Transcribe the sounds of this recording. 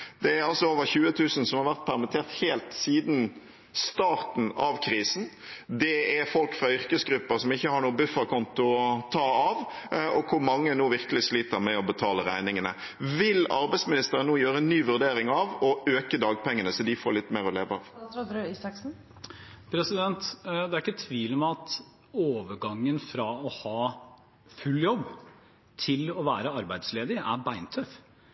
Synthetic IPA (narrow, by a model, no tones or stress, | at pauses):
d̪̥ɛæɾɑlsɔoːʋəɾçʉːət̪ʰʉːsn̩sɔmhɑɾʋæʁt̪̚pʰæʁmɪt̪ʰeːʁt̪heːlt̪siːd̪n̩ | st̪ɑːʁt̪n̩ɑʋkʰɾiːsn̩ | d̪ɛæɾfɔlkfɾɑʏɾkəsɡɾʉpːəɾsɔmɪçːəhɑɾɳuːəbʉfəkɔnt̪ʊɔt̪ʰɑːɑʋɔkʰʊɾmɑŋːənuːʋɪʁkəlɪsliːt̪əɾmɛɔbət̪ʰɑːləɾæ̰ɪnɪŋənə̰ | ʋɪlɑɾbæɪsmɪnɪst̪əɾənənuːjøːɾəɛnnːyːʋʉʁd̪eːɾɪŋɑʋɔøːkəd̪ɑːɡ̚pʰɛŋːənəsɔd̪ɪfoːɾɭɪt̪ːmeːɾɔleːʋəɑʋɾisɑksn̩ | pʰɾɛsɪd̪ɛnt̪d̪ɛæɾɪkːət̪ʰːʋiːlmɛɑt̪ | oːʋəɾɡɑŋːənfɾɑɔhɑː | fʉlːjɔbː | t̪ʰɪlɔʋæːɾəɑɾbæɪd̪sleːd̪ɪæɾbæɪnt̪ʰœf